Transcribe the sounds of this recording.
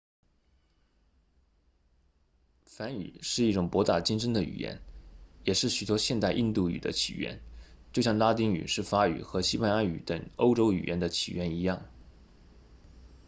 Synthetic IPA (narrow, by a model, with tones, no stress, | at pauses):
fa˧˥ny̰˨˩ʂɻ̩˥˧i˥˩ʈ͡ʂʊ˨˩ŋpwɔ˧˥t̪a˥˩t͡ɕi˥ŋʂə˥ŋd̪ə˨y̰˨˩jɛ̰˧˥njɛ˨˩ʂɻ̩˥˩ɕy˨˩t̪wɔ˥ɕjɛ˥˧nt̪a˥˧ɪʔi˥˧nt̪u˥˩y̰˨˩d̪ə̰˦t͡ɕʰḭ˨˩ɥɛ̰˧˥n | t͡ɕjo˥˧ʊɕjɑ˥˩ŋla˥t̪i˥ŋy̰˨˩ʂɻ̩˥˩fa˥y̰˨˩xɤ˧˥ɕi˥pa˥nja˥y̰˧˥t̪ə˨˩ŋo˥ʊʈ͡ʂo˥ʊy̰˨˩jʔɛ˧˥nd̪ə˧t͡ɕʰḭ˨˩ɥɛ˧˥ni˧˥jɑ˥˩ŋ